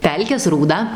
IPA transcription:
ˈpʲɛlʲkʲeːs ruːˈdɐ

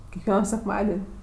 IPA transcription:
kʲɛkˈʋʲiɛnoː sʲɛkˈmɑːdʲɛnʲ

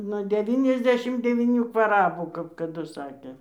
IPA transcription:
nuɔ dʲɛˈʋʲiːnʲɛzʲˌdʲæːʃʲɪm dʲɛʋʲiːˈnʲuː kʋɐˈrɑːbuː kɐp kɐˈdʊ ˈsɑːkʲeː

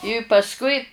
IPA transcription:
ɪ pɐsˈkʊɪ

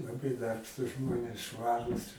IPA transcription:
lˠɐˈbɐɪ ˈdɐrpʃtuːs ˈʒmoːnʲeːs ˈʃʋɑːruːs

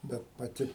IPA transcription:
ˈbʲɛt pɐˈtʲɪ

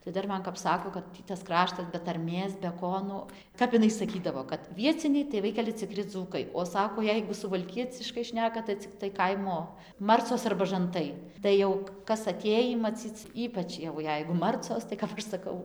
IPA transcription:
tɐɪ ˈdɐr ˈmɐn kɐp ˈsɑːkoː kɐt ˈtʲiː tɐs ˈkrɑːʃtɐs bʲɛ tɐrʲˈmʲeːs bʲɛ ˈkoː nʊ ˈkɐp ɪˈnɐɪ sɐˈkʲiːdɐʋoː kɐt ˈʋʲiɛt͡sʲɪnʲɛɪ tɐɪ ˈʋɐɪkʲɛlʲɪ t͡sʲɪˈkrʲɪ ˈd͡zuːkɐɪ oː ˈsɑːkoː ˈjɛɪɡʊ sʊʋɐlʲˈkʲiɛt͡sʲɪʃkɐɪ ˈʃʲnʲæːkɐ tɐɪ t͡sʲɪˈktɐɪ ˈkɐɪmoː ˈmɐrt͡soːs ɐrbɐ ʒɐnˈtɐɪ ˈtɐɪ jɛʊ kɐs ɐˈtʲeːjiː mɐˈt͡sʲiːt͡s ˈiːpɐt͡ʃ jɛʊ ˈjɛɪɡʊ ˈmɐrt͡soːs tɐɪ kɐp ˈɐʃ sɐˈkɐʊ

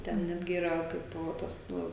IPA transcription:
ˈtʲɛn ˈnʲæːdʲɡʲɪ ˈiːrɐ ˈkɐɪp ˈtɐs ˈnʊ

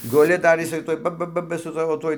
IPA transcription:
ɡʊˈlʲɪ dɐr jɪˈsɐɪ ˈtuɔj ˈbɐ ˈbɐ ˈbɐ sʊ ˈsɑːʋoː ˈtuɔj

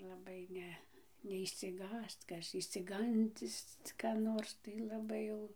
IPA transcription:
lˠɐˈbɐɪ ˈnʲɛ nʲɛɪʃʲsʲɪˈɡɑːst͡s ˈkɐs ɪʃʲsʲɪˈɡɐnʲdʲɪs kɐ ˈnoːrs tɐɪ lˠɐˈbɐɪ jɛʊ

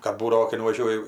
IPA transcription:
kɐt ˈbuːdɐʋoː kɐɪ nʊʋɐˈʒʲuɔjɪ

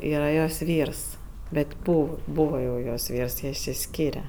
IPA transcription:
ˈiːrɐ joːs ˈʋʲiːrs ˈbʲɛtʲ ˈbuː ˈbuːʋɐ jɛʊ joːs ˈʋʲiːrs ˈjiɛ ɪʃʲsʲɪˈsʲkʲiːrʲɛ

